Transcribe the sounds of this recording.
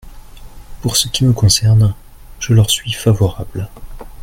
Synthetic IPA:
puʁsəkʲiməkɔ̃sɛʁn | ʒ̥əlœʁsɥifavɔʁabl

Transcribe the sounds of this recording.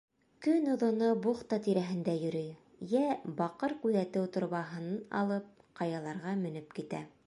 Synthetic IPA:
kɵnŏðŏnobuχt̪ɑt̪iɾæɦɘ̆nd̪æjɵ̆ɾɘj | jæbɑqɤɾkʉðæt̪ɘwt̪ŏɾβɑɦɤ̆nɤnɑ̰lˠɤp̚ | qɑjɑlˠɑɾʁɑmɵ̆nɘpkit̪æ̰

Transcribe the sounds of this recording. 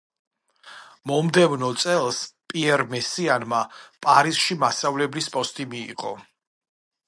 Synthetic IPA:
mɔmd̪ɛvnɔt̪sʼɛlˠspʼiɛɾmɛsianmapʼaɾisʃimasavlɛblispʼɔst̪ʼimiḭqʼɔ̰

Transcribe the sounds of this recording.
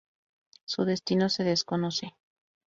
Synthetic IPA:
suðe̞st̪ino̞se̞ðesko̞no̞se̞

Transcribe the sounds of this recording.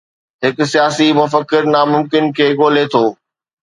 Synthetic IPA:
ɦɪkʊ̆sijaːsimʊfəkːɪɾnaːmʊ̃mkɪnkʰeːɠoːlet̪ʰoː

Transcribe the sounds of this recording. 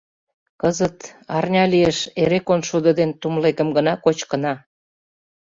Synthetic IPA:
kəzət̪ɑrnʲɑlieʃeɾekonʃud̪ə̆d̪ent̪umlekə̆mɡənɑkot͡ɕkə̆nɑ

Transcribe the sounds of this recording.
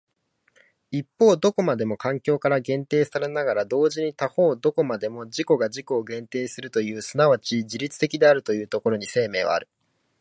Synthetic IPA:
ipːo̞ːd̪o̞ko̞mad̪e̞mo̞kãŋkʲo̞ːkaɾaɡẽ̞nt̪e̞ːsaɾe̞naɡaɾad̪o̞ːʑiɲ̟it̪aho̞ːd̪o̞ko̞mad̪e̞mo̞ʑiko̞ɡaʑiko̞ːɡẽ̞nt̪e̞ːsɨɾɯ̟t̪o̞jɯ̟ːsɨnaβat͡ɕid͡ʑiɾʲit͡sɨ̥t̪e̞kʲid̪e̞aɾɯ̟t̪o̞jɯ̟ːt̪o̞ko̞ɾo̞ɲ̟ise̞ːme̞ːβa̰a̰ɾɯ̟

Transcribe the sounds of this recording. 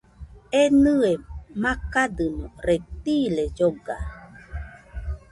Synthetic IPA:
enɨemakadɨnõɾet̪iled͡ʒoɡa̰

